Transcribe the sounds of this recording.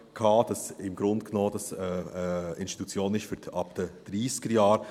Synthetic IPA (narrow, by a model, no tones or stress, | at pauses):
kʰɑːd̥ɑsɪmɡ̥ɾʊntknoːdɑsɛɪnsti̥t̪ut͡sjoːnɪçtfyːɾdɑpd̥ɛd̥ɾiːsɡ̥əɾjɑːɾ